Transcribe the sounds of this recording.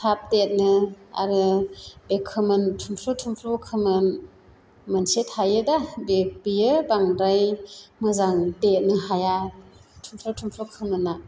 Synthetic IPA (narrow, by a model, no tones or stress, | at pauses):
tʰap̚det̚nɯa̰ɾɯbekʰːɯmɯntʰumpʰlotʰumpʰlokʰɯmɯn | mɯnsethajɯdabek̚bijɯbaŋdajmɯzaŋdet̚nɯɦajatʰumpʰlotʰumpʰlokʰɯmɯnːa